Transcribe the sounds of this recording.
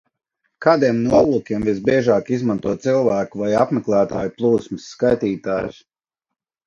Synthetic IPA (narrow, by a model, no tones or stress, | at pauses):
kaːd̪iɛmnuɔlˠuːkʲiɛmvisbʲiɛʒaːkizmãnt̪uɔt̪silˠvæːkuvajapmɛklˠæːt̪a̰ːjuplˠuːsmɨsːkajt̪iːt̪aːjs